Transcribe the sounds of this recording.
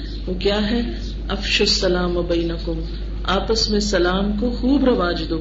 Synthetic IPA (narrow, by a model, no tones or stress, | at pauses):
ʋoːkjaːɦɛ | ɐfʃʊsːɐlaːmɐbɐɪnɐkʊm | aːpəsmẽsɐlaːmkoxuːbɾɐʋaːd͡ʒɪd̪oː